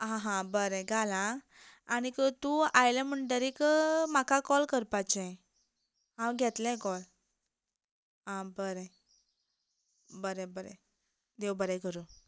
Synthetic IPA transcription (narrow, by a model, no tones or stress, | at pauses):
ɦãɦãbəɾɛ̃ɡʱalãː | ñikət̪ũajlẽm̤əɳɖəɾikmakakɔlkəɾpat͡ɕɛ̃ | ɦãwɡʱɛt̪lɛ̃kɔl | ɦãbəɾe | bəɾebəɾɛ̰̃ | d̪ewbəɾekəɾu